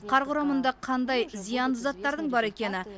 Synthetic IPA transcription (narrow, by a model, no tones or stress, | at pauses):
qʰɑɾʁʊɾɑmənd̪ɑqʰɑnd̪ɑjzijɑnlˠəzɑt̪ːɑɾd̪əɴbɑɾe̞kʲe̞nɪ